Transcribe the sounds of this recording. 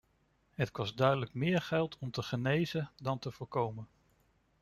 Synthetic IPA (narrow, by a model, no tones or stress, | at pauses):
ɦətkɔzdœɥdələkmɪːɹχɛlˠtʰɔmtəχənejzədɑntəvʊːɹkowmən